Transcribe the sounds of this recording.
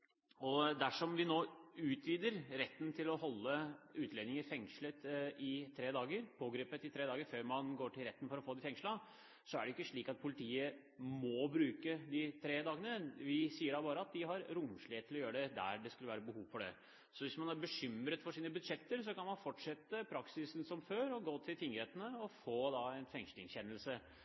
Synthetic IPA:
ɔd̪æʂɔmʋɪnoːʉːt̪ʰʋiːd̪əɾɾɛt̪ːnt̪ʰɪlɔɦɔlːəʉːt̪leːnɪŋəɾfɛŋʂlət̪ʔɪt̪ʰɾeːd̪ɑːɡəɾpʰoːɡɾeːpət̪ɪt̪ʰɾeːd̪ɑːɡəɾføːɾmɑnɡoːʈʰɪlɾɛt̪ːənfɔɾɔfoːd̪ɪfɛŋʂlɑ | sɔæɖɛʏkːəʂɭiːkɑt̪̚pʰʊlɪt̪ʰiːə | mɔbɾʉːkəd̪ɪt̪ʰɾeːd̪ɑːɡənəʋɪsiːəɖɑbɑːɾəɑt̪̚d̪ɪɦɑɾɾʊmʂɭɪeːt̪ʰːɪlɔjøːɾəɖ̪ɛd̪æ̰ɖɛskʉlːəʋæːɾəbəhuːʋfɔɖɛ̰ | sɔʋɪsmɑnæɾbəɕʏmɾət̪fɔʂiːnəbʉd̪ʂɛt̪ːəɾsɔkɑnmɑnfɔʈʂɛt̪ːəpʰɾɑksɪsn̩sɔmføːɾɔɡoːt̪ʰɪlt̪ʰɪŋəɾheːt̪ənəɔfoːd̪ɑɛɪnfɛŋʂlɪŋçɛnːəlsə

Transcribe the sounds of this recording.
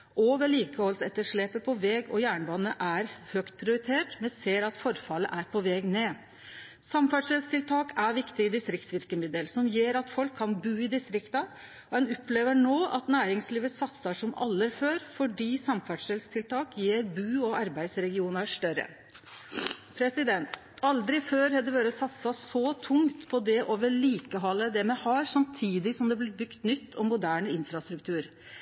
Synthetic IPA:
ʔoːʋəɭiːkəhɔlsɛt̪ːəʂɭeːpəpʰɔʋɛːɡɔ̰jæːɳbɑnːəʔæɾhœkt̪̚pʰɾɪʊɾɪt̪ʰeːʈmɛnseːɾɑt̪fɔɾfɑləʔæɾpʰɔʋɛːɡneː | sɑmfæʈʂɛlst̪ʰɪlt̪ʰɑːkʰæɾʋɪkt̪ɪɪd̪ɪst̪ɾɪkt̪sʋɪɾkəmɪd̪əlsɔmjeːɾɑt̪fɔlkʰːɑnbʉːɪd̪ɪst̪ɾɪkt̪ɑ | ɔɛnʊpːleːʋəɳoːʔɑt̪næːɾɪŋsliːʋəsɑt̪sɑʂɔmɑ̰lːəɾføːɾfɔɖiːsɑmfæʈʂəlst̪ʰɪlt̪ʰɑːkjeːɾbʉːɔɑɾbæɪd̪sɾɛɡɪuːnəʂʈ̪œɾə̰ | pʰɾɛsɪd̪ɛnt̪ | ɑld̪ɾɪføːɾhɑd̪ɛʋøːɾəsɑt̪sɑsɔt̪ʰʊŋt̪pʰɔd̪ɛʔoːʋəɭiːkəɦɔlːəd̪ɛmɛhɑːɾsɑmt̪ʰiːd̪ɪsɔmd̪ɛblɪbʏkt̪nʏt̪ʰːɔmːʊd̪æːɳəɪnfɾɑst̪ɾʉkt̪ʰʉːɾ

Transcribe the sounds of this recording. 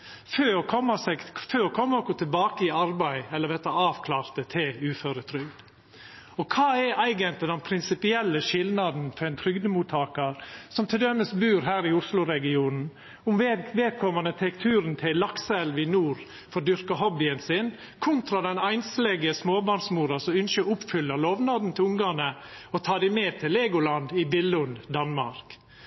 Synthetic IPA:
føːɔkʰɔmːɑsɛɡføːɔkʰɔmːəɔkɔt̪ʰɪlbɑːkəɪɑɾbæɪɛlːəɾʋɛt̪ːɑɑːʋkʰlɑːɾt̪ət̪ʰɪlʉːføːɾət̪ʰɾʏɡd̪̥ | ɔkʰɑːɛʔæɪɡənt̪lɪd̪ɛnpʰɾɪnsɪpɪɛlːəʃɪld̪nɑd̪n̩fɔɾɛɪnt̪ʰɾʏɡd̪əmuːt̪ʰɑːkəɾsɔmt̪ʰɪld̪ɛməsbʉːɾɦæːɾɪʊslʊɾɛɡɪuːnn̩ | ʊmʋeːd̪̚kʰɔmɑnət̪ʰɛkt̪ʰʉːɾənt̪ʰɪlːɑksɛlʋɪnuːɾ | fɔɾd̪ʏɾkɑɦɔbɪənsɪn | kʰʊnt̪ɾɑd̪ɛnæɪnslɛɡəsmoːbɑɳsmuːɾɑsɔʉnʃəʊpfʏlːɑlɔʋnɑd̪n̩t̪ʰɪlʊŋɡɑnə | ɔt̪ʰɑːd̪ɪmeːt̪ʰɪleːɡʊlɑnd̪ɪbɪlːʊnd̪ɑnmɑ̰ɾk

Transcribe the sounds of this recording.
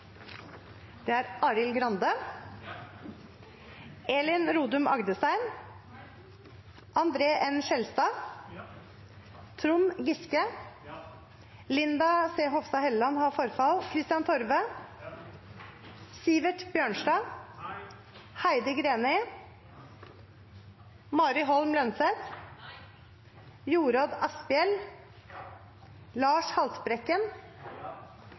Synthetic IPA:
d̪̥eːæːɾɑɾɪlɡɾɑnd̪ə | eːlɪnɾuːd̪ʉmɑ̰ɡd̪əst̪æɪn | ʔɑnd̪ɾeːʔɛnʃɛlst̪ɑː | t̪ʰɾʊmɡɪskə | lɪnd̪ɑseːɦɔʋst̪ɑhɛlːɑnhɑːfɔɾfɑlkʰɾɪst̪ɪɑnt̪ʰɔɾʋə | siːʋəʈbjøːɳʃɖɑː | hæɪd̪əɡɾeːnɛɪ | mɑːɾɪɦɔlmlœnsɛt̪ | juːɾɑːd̪ɑspɪɛl | lɑːʂhɑlspɾɛkːən

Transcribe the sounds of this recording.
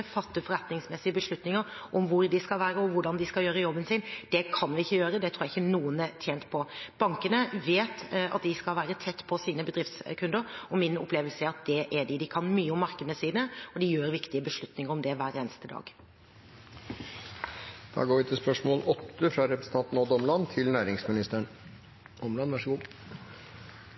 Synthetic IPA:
fɑt̪ːəfɔɾɛt̪nɪŋsmɛsːɪəbəʂɭʉt̪nɪŋəɾʔɔmʋʊɾd̪ɪskɑlʋæːɾəɔʋʊɖɑnd̪ɪskɑljøːɾəjɔbːənsɪnd̪̥ɛkʰɑnʋɪɪçːəjøːɾəd̪ɛt̪ʰɾuːjæɪçːənuːənət̪ʰjeːnt̪pʰɔb̥ɑŋkənəʋeːt̪ɑ̰t̪̚d̪ɪskɑlʋæːɾət̪ʰɛt̪ːpʰɔsiːnəbəd̪ɾɪft̪skʰʉnd̪əɾɔmɪnʊ̰pʰleːʋəlsəæɾɑt̪̚d̪ɛʔɛɖɪd̪ɪkʰɑnmyːəɔmːɑɾkəd̪ənəsiːd̪əɔd̪ɪjøːɾʋɪkt̪ɪəbəʂlʉt̪nɪŋəɾɔmd̪ɛʋæːɾeːnəst̪əd̪ɑ̰ːɡ | d̪̥ɑ̰ːɡoːɾʋɪt̪ʰɪlspœʂmoːlʔɔt̪ːəfɾɑɾɛpɾəsə̥n̩ʰɑnt̪n̩ɔd̪ɔmlɑnt̪ʰɪlnæːɾɪŋsmɪnɪst̪əɳ | ɔmlɑnʋæʂəɡuː

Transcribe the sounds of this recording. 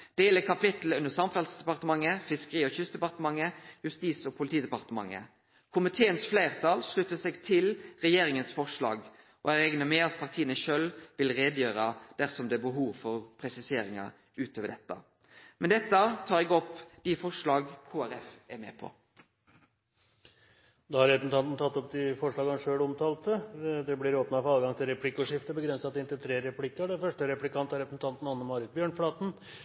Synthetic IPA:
d̪̥eːləkʰɑpɪt̪l̩ʉnəɾsɑmfɛlsd̪ɛpɑʁt̪əmɑŋːəfɪskəʁiːɔçʏsd̪ɛpɑʁt̪əmɑŋːəjʉst̪iːsɔpʰʊlɪt̪ʰiːd̪ɛpɑʁt̪əmɑ̰ŋːə̰ | kʰʊmɪt̪ʰeːənsflæɪʁt̪ʰɑːlʂɭʉt̪ːəsɛɡt̪ʰɪlʁɛjeːɾɪŋənsfɔʂlɑ̰ːɡ | ʔɔæɾɛɡnəmɛɑt̪̚pʰɑʁt̪ʰiːənəʃœlʋɪlɾeːd̪əjøːɾɑd̪̥æsɔmd̪ɛːbəɦuːʋfɔɾpʰɾɛsɪseːɾɪŋɑ̰ | ʉːt̪ʰoːʋəɖɛt̪ːɑ̰ | mɛnd̪ɛt̪ːət̪ʰɑːɾɛɡɔpːd̪̥ifɔʂɭɑːɡkʰuːæɾɛfɛmɛ̰ːpʰɔ̰ | d̪ɑhɑɾɛpɾəsn̩t̪ʰɑnt̪n̩t̪ɑt̪ːɔp̚d̪ɪfɔʂɭɑːɡʂøːɭɔmt̪ʰɑːlt̪əd̪ɛblɪɾoːpnɑfɔɾɑːɡɑŋt̪ʰɪlɾɛpʰlɪkːʊʂɪft̪əbəɡɾɛnsɑt̪ɪnt̪əlt̪ʰɾeːɾɛpʰlɪkːəɖɛfœʂʈəɾɛplɪkʰɑnt̪hɑɾɛpɾəsn̩t̪ɑnt̪n̩ɑnəmɑɾɪt̪̚bjøːɳflɑːt̪n̩

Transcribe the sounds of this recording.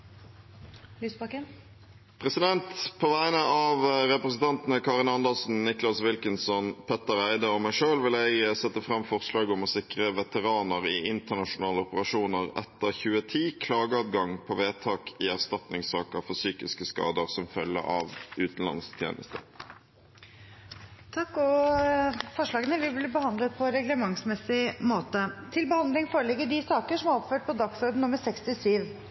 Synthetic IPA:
lysbɑkə | pʰʁɛsɪd̪ɛnt̪pʰoʋæɪənəɑʋɾɛpɾəsn̩t̪ʰɑnt̪ənəkʰɑːʁɪnɑnd̪ɑlsn̩nɪklɑsʋɪlkənsɔnpʰɛt̪ːəʁæɪd̪əɔmæɪʂøːlʋɪlæɪɡsɛt̪ːəfʁɑmfɔʁslɑːɡɔmɔsɪkʁəʋɛt̪əʁɑːnəʁɪʔɪnt̪əʁnɑʂʊnɑːləɔpəʁɑʂuːnəʁɛ̰t̪ːəʁçʉːət̪ʰiːkʰlɑːɡəɑːd̪ɡɑŋpʰɔʋeːt̪ʰɑːkʰɪæʁst̪ɑt̪nɪŋsɑːkəfɔʁsyːkɪskəskɑ̰ːd̪əʁsɔmfœlːə̰ʔɑ̰ʋʉːt̪n̩lɑ̰nst̪ʰjḛːnə̰st̪ə̰ | t̪ʰɑkːɔ | fɔʂɭɑːɡənəʋɪblɪbəhɑnd̪lət̪̚pʰɔɾɛɡləmɑŋsmɛsɪmoːt̪ət̪ʰɪlbəhɑnd̪lɪŋfoːɾəlɛɡːəɖɪsɑːkəʂɔmæɾɔpføːʈ̚pʰɔd̪ɑksɔɾd̪n̩nʊməɾsɛkst̪ɪsyːʋ

